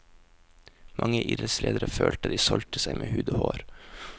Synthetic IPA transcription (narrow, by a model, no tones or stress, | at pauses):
mʔɑŋəʔiːd̪ɾət̪slḛːd̪əɾəføːlt̪ɑt̪d̪iːsɔlt̪əsæɪmʔeːhʉːd̪oːhoːɾ